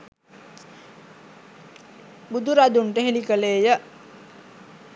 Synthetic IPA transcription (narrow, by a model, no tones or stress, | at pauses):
bud̪uɾad̪uɳʈəɦelikəleːjə